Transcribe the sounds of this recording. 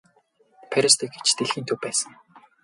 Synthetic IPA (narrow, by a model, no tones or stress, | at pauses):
pʰæɾʲə̆st̪ĭkɡe̥t͡ɕt̪ʰeɮiːnt̪ʰɵwpæːsə̆ŋ